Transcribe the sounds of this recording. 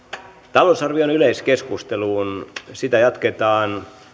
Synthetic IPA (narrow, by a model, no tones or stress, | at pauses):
t̪ɑloˑsɑrʋionyleiskeskust̪eluːnsit̪æjɑt̪ket̪ɑːn